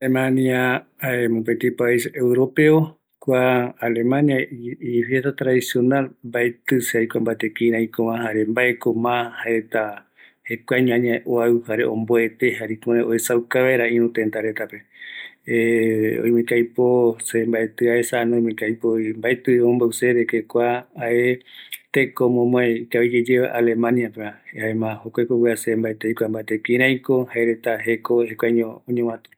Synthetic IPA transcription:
lemãnia | emõpent̪ipaisewɾo̞peo | kʷaːle̞mãniaifjest̪at̪ɾaðisjo̞nalmbaet̪ɨseajkʷambat̪ekĩɾ̃ãĩkõmãhaɾembaekomãhaɾet̪a | hekʷaɲũãɲãʔoauhaɾḛʔõ̰mboe̞t̪ehaɾikoeoesawkaβeɾaĩɾũt̪ent̪aɾet̪ape | o̰jmĩkajposembaet̪ɨaesanõj̃mĩkajpojmbaet̪ɨoõmbowseɾekekʷaːet̪ekomõmõeikaβid͡ʒed͡ʒeβa̰ʔalemãniapeãaemãhokʷakokweasembaet̪ejkʷambaet̪ekĩɾãjkohaeɾet̪aɦekohekʷaɲõːɲẽw̃ãt̪

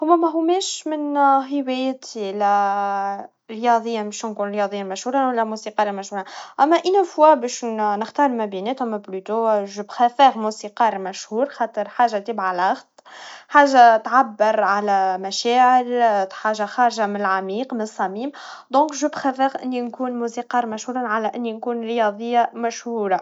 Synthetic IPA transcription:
hʊmːæmæɦʊmɛːʃmɪnɦɪwɛjt̪ʰilæ | ɾjɑd̪ˤəjːabɛʃnkuːnɾjɑd̪ˤəjːamæʃhuːɾˤɑnwælːæmusiqɑːɾˤamæʃhuːɾaʔæmːæʔinæfwæbɛːʃnəxt̪ɑːɾˤlmæbinɛːt̪æmːæblyt̪oʒəbxefɛːɣmusiqɑːɾˤmæʃhuːɾxɑːt̪ˤəɾˤħaːʒat̪ɪbʕalaxd̪ˤ | ħaːʒat̪ʕabːɪɾʕalæmæʃɛːʕɪlħaːʒaxɑːɾʒamɪnɪlʕamiːqmɪnsˤːɑmiːmd̪ɔ̃ːkʒəbxæfɛːɣʔɪ̰nːinkuːnmusiqɑːɾˤmæʃhuːɾˤanʕalæʔɪnːinkuːnɾjɑðˤəjːamæʃhuːɾa

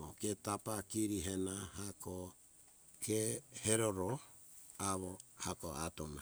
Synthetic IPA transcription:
oketapakiɾiɦenahako | kʰeheɾoɾo | aβohakoa̰tona̰

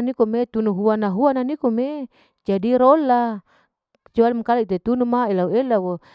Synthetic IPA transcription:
nikumet̪unuɦuanaɦuananikome | d͡ʒadiɾolːa | t͡ʃualimakalait̪et̪unumaelauelawo

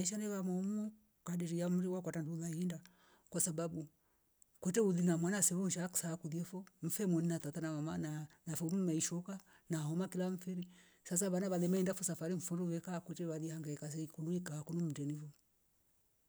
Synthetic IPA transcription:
ɛʃanɛβamɔmu | kadɛɾijam̩ɾiwakwatandulaiinda | kwasabaɓu | kwɛtɛuðinamwanasɛwɔnʃaksaːkuðiɛfɔm̩fɛmwɔninatatanamamananafɔmumaiʃɔka | nahɔmakilaɱ̩fɛɾi | sas̬aβanaβalɛmaindafɔsafaɾiɱ̩funɾuβɛkakwɛtɛβaðihaŋɡaikas̬ɛikuluikaːkɔnum̩dɛnifɔ

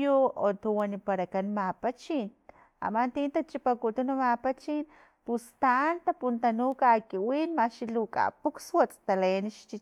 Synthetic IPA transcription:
juot̪uwanipaɾakanmapat͡ʃin | a̰mant̪iːnt̪at͡ʃipakut̪unumapat͡ʃin | pust̪aʔnt̪apunt̪anukakiwinmaʃilukʼa̰pukswat͡sʼt̪aleniʃt͡ʃi

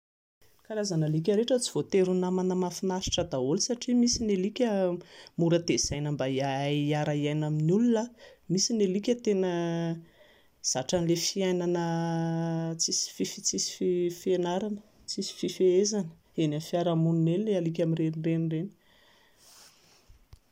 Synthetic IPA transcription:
kaɾazanəlik̬ʲəɾeʈ͡ʂət͡si̥v̥ot̪eɾunamanəmafinaʃi̥ʈ͡ʂəd̪aolsaʈ͡ʂimisinelikʲəmuɾəd̪ez̥ajnəmbaiaaiaɾaiajnaminulunamisinelikʲət̪enə | z̥aʈ͡ʂanlefiajnanə | t͡sisi̥fifit͡sisi̥fifienaɾanə | t͡sisi̥fifeezanə̥ | enamfiaɾamuninenlealik̬ʲamirenirenireni̥

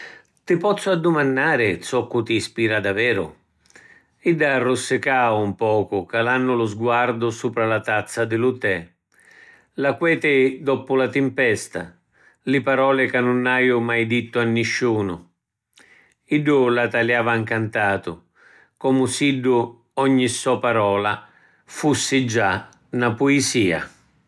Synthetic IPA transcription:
t̪ɪpɔt̪sːʊad̪ːʊmanːaːɾɪt̪sɔkːʊt̪iːspiːɾad̪avɛːɾʊ̰ | iɖ̪ːarːʊsːɪkaːʊumpɔːkʊkalanːʊlʊzɡwaɾd̪ʊsuːpɾalat̪at̪sːad̪ɪlʊt̪ɛ | lakwɛːt̪ɪd̪ɔpʊlat̪ɪmpɛst̪a̰ | lɪpaɾɔːlɪkanːʊnːajʊmajd̪it̪ːʊanːɪʃːuːnʊ̰ | iɖːʊlat̪aljaːvaŋkant̪aːt̪ʊ̰ | kɔmʊsiɖːʊ | ɔɲːisːɔpaɾɔːla | fusːɪd͡ʒa | napʊɪsiːa̰

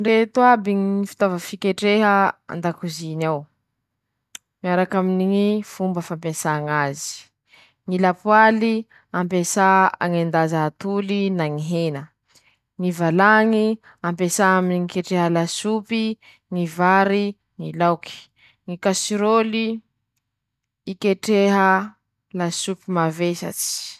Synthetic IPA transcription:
ɳɖ͡ʐet̪wabiŋifi̥t̪ovəfikeʈ͡ʂeɦəa̰nd̪akuzinaw | miaɾakaminiifumbəfampesaŋazi̥ | ŋilapwali | ampesaa̰ŋend̪azaːt̪ulinaŋiɦenə | ŋivalaŋi | ampesaaminiŋikeʈ͡ʂeɦəlasupi | ŋivaɾi | ŋilawki̥ | ŋikasiɾoli | keʈ͡ʂeɦə | lasupimavesa̰t͡si̥

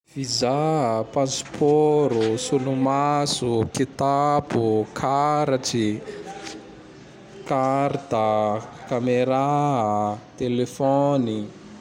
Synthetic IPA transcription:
fizapãspʰɔɾusulumasukit̪apukʰaɾaʈ͡ʂi | kaɾt̪akameɾa | t̪elefɔni

